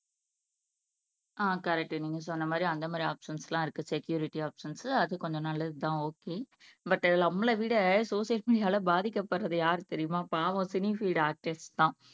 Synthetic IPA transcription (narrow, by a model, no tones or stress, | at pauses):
ʔaːkɐɾɛk̚ʈːɯniːŋɡɐsɔnːɐmaːd̪ɾiɐnd̪ɐmaːd̪ɾiaːpʂɐnslãːɪɾɯkːɯsɛkjuːɾɪʈːiaːpʂɐnsɐðɯkɔɲd͡ʒõnɐːlːɐðɯt̪ãːoːkeː | bɐʈːlɐmːɐɭɐʋiːɽɐsoːʂɪjɐlmiːɽɪjaːlɐbaːðɪkːɐpːɐɾːɐðɯjaːɾɯt̪ɛɾɪjɯmaːpːãɐʋɐ̃sɪnifiːɖaːk̚ʈest̪ãː